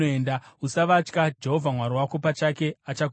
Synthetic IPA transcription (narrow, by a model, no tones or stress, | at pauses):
eːndausaʋat͡ʃkad͡ʒe̞ɦo̞vʱamwaɾiwakopat͡ʃake̞at͡ʃak